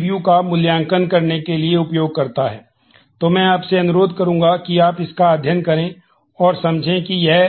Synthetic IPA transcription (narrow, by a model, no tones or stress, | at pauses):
ʋjukamʊljãːŋkənkɐɾnekelieʊpjoːɡ̚kɐɾt̪aɦɛː | t̪omɛ̃ːaːpseɐnʊɾoːd̪kɐɾũːŋɡakiaːpɪskaːd̪ʱjənkɐɾẽ | ɔːɾsɐmd͡ʒʱẽkijɛɦ